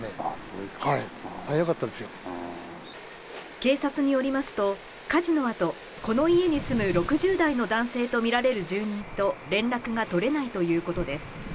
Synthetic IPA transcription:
e | aihaijokat̪ːad̪esɨjo | ke̞ːsat͡sɨɲ̟ijo̞ɾʲimasɨ̥t̪o̞ | kaʑino̞at̪o̞ | ko̞no̞ie̞ɲ̟isɨmɯ̟ɾo̞kɯ̟ʑɨːd̪aino̞d̪ãɰ̃se̞ːt̪o̞mʲiɾaɾe̞ɾɯ̟ʑɨːɲ̟ĩnt̪o̞ɾẽ̞nɾakɯ̟ɡat̪o̞ɾe̞nait̪o̞jɯ̟ːko̞t̪o̞d̪e̞sɨ̥

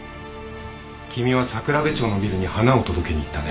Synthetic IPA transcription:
kʲimʲiβasakɯ̟ɾabet͡ɕo̞ːno̞bʲiɾɯɲ̟ihanao̞t̪o̞d̪o̞ke̞ɲ̟iit̪ːane

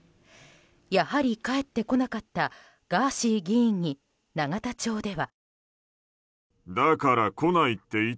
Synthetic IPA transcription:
jahaɾʲikae̞t̪ːe̞ko̞nakat̪ːa | ɡ̥aːɕiːɡʲiĩɲ̟ːi | naɡat̪at͡ɕo̞ːd̪e̞βa | d̪akaɾako̞nait̪ːe̞i

